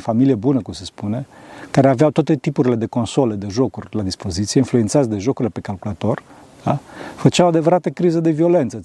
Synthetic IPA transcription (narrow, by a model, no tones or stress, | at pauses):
familiebunəkumse̞spune̞kaɾeaveawt̪oat̪e̞t̪ipuɾile̞d̪e̞ko̞nsoled̪e̞ʒo̞kurʲlad̪ispo̞zit̪sieinflujent̪sat̪sʲd̪e̞ʒo̞kuɾilepe̞kalkulat̪o̞r | afət͡ʃeawoad̪e̞vəɾat̪əkɾizəd̪e̞vio̞le̞nt̪sə